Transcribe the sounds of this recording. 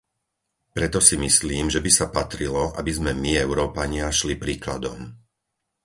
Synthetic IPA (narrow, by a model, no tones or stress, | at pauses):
pɾɛt̪ɔsimisliːmʒɛbisapat̪ɾilɔʔa̰bizmɛmiɛʊɾɔːpaɲɪaʃlipɾiːklad̪ɔ̰m